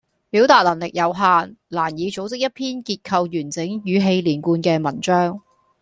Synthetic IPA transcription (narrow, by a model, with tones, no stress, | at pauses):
piː˨˥wt̪aː˧t̚lɐ˨˩nlɪ˨k̚jɐ˨˧wɦaː˧nlaː˨˩njiː˨˧t͡so˨˥wt͡sɪ˥k̚jɐ˥t̚pʰiː˥nkiː˧t̚kʰɐ˧wjyː˨˩nt͡sɪ˨˥ŋjyː˨˧ɦe˧jliː˨˩nkuː˧nkɛː˧mɐ˨˩nt͡ʃœː˥ŋ